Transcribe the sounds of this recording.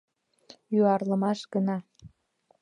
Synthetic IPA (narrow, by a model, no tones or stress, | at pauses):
jyɑrləmɑʃɡənɑ